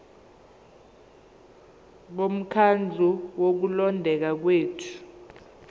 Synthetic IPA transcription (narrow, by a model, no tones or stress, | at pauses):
ɓom̩kʰand͡ɮʱuwok̬ulɔndʱɛk̬ak̬weːtʰu̥